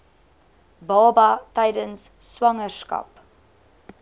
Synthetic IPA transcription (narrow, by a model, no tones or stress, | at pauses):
bɑːbɐtɛjdənsːwɐŋərskɐ̰p